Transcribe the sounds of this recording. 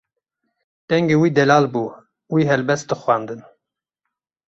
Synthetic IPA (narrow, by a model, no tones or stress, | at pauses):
t̪ɛŋɡewiːd̪ɛlɑːlbuː | wiɦɛlbɛst̪̚ɨxwɑnd̪ɨn